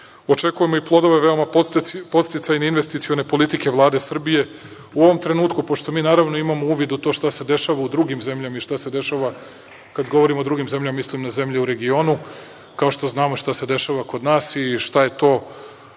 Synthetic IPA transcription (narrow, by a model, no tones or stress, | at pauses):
o̞t͡ʃe̞kuje̞mo̞iplˠo̞d̪o̞ʋe̞ʋe̞o̞mapo̞t̪st̪it̪sajniinʋe̞st̪it̪sio̞ne̞po̞lit̪ike̞ʋlˠaːd̪e̞sr̩bije̞ | uo̞ʋo̞mt̪ɾe̞nuːt̪kupoʃt̪o̞miːnaːɾaʋnoimamouːʋid̪ut̪oʃt̪ase̞d̪e̞ʃaʋaud̪ɾuɡimze̞mʎamaiʃt̪ase̞d̪e̞ʃaʋa | kad̪ɡoʋo̞ɾimod̪ɾuɡimze̞mʎammislimnaze̞mʎiuɾe̞ɡio̞nu | kaoʃt̪o̞znaːmoʃt̪ase̞d̪e̞ʃaʋako̞d̪naːsiʃt̪aje̞t̪o̞ː